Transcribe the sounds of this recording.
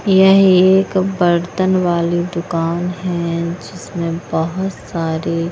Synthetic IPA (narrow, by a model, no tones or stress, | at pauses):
jɛɦeːkbɐɾt̪ənʋaːlid̪ʊkaːnɦɛ̃d͡ʒɪsmẽbɐɦʊt̪saːɾe